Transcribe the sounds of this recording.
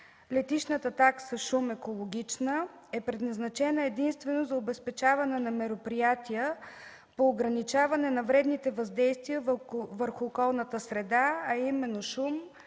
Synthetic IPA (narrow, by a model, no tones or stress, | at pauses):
lɛt̪it͡ʃnət̪ət̪aksəʃumɛkolˠoɡʲit͡ʃnəɛpɾɛd̪nɐznɐt͡ʃɛnəɛd̪inst̪vɛnozɐobɛspɛt͡ʃavɐnɛnɐmɛɾopɾijat̪iə | poːɡɾɐnit͡ʃavɐnɛnɐvɾɛd̪nit̪ɛvɐzd̪ɛjst̪vijəvəɾxʊːkɔlˠnət̪əsɾɛd̪aɐimɛnːoʃum